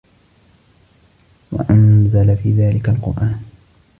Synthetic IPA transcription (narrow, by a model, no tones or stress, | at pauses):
wa̰ʔanzalafiːðaːlɪkalqʊ̰ɾʔaːn